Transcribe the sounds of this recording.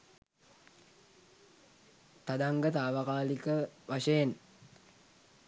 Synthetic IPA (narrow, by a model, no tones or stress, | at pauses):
t̪ad̪aŋɡət̪aːʋakaːlikəʋaʂɐjen